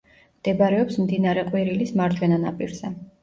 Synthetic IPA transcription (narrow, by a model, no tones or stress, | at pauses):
md̪̥ɛbɾɛɔpsmd̪inaɾɛqʼwiɾilismaɾt͡ʃʰwɛnana̰pʼiɾz̥ɛ